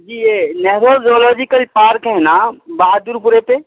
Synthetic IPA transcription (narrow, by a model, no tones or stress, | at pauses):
d͡ʒienɛɦɾod͡ʒiɔlɔd͡ʒikəlpaɾkɦɛnabaɦad̪uɾpuɾepe